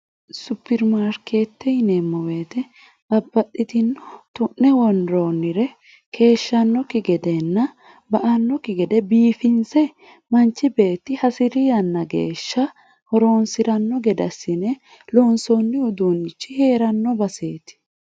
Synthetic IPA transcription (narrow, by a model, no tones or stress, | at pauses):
sʊpːɪɾmaːɾke̞ːt̪ːɛɪnemːɔwe̞ːt̪ɛ | bɐbːɐt̪ʼːɪt̪ɪnːɔt̪ʊʔːɛwɔnɾoːnːɪɾɛ | kʰe̞ːʃːɐnːɔkɪɡɛd̪ɛnːɐ | bɐʔɐnːɔkɪɡɛd̪ɛbiːfɪnsɛ | mɐnt͡ʃːɪbe̞ːt̪ːɪhɐsɪɾɪjɐnːɐɡḛːʃːɐ | hɔɾo̞ːnsɪɾɐnːɔɡɛd̪ɐsːɪnɛ | loːnsonːɪʊd̪uːnːɪt͡ʃːɪhe̞ːɾɐnːɔbɐse̞ːt̪ɪ̥